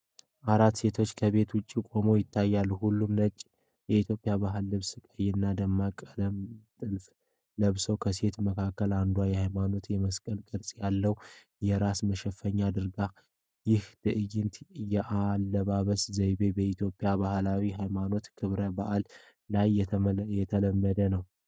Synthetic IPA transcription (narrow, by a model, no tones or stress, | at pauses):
ʔaɾat̪se̞t̪ʰo̞t͡ʃːkʰəβe̞t̪wʊt͡ʃʼːikʼo̞mo̞jɪt̪ʰːajːalːhulːumnət͡ʃʼ | jɛit̪ʰjo̞pʼːjaβaɦɨlːɨβsɨkʼəjɪnːad̪əmːakʼələmt̪ʼɨlf | ləβsowkʰəse̞t̪məkʰakːəland̪uwajɛhajmano̞t̪jɛməskʼəlkʼɨɾsʼjalːəw | jɛɾasməʃɛfːəɲːad̪ɨɾɡa | jɪht̪ʰɨʔɨjɪnt̪jɛʔalːəβaβəszəjbe̞bəit̪ʰjo̞pʼijabahlawiɦajmano̞t̪kʰɨβɾəbaʔlː | ajjɛt̪ʰələmːəd̪ənəw